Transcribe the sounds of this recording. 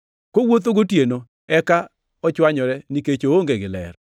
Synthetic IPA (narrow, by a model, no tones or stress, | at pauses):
kowot̪̬oɡotjeno | ɛka | ɔt͡ʃwaɲɔɾɛniket͡ʃooŋɡeɡɪlɛ̰ɾ